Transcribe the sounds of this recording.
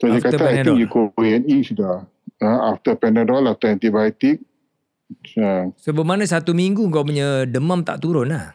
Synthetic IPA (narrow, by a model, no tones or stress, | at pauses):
sod͡ʒakat̪əaaŋjukoiɛnisuda | ãaft̪əpɛnadɔlaft̪əɛ̃nt̪ibajt̪ik̚ | asobəmanãsat̪umiŋɡuŋkawpuɲədəmamt̪a̰ʔt̪uɾʊnah